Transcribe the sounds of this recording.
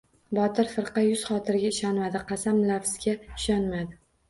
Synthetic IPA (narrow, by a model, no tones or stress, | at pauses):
bɒt̪ʰɪɾfɨɾqɑjʊz̥χɒt̪ʰɪɾɪɡʲaɪʃɒnmad̪ɪqʰɑsamlafzɡʲaɪʃɒnmad̪ɪ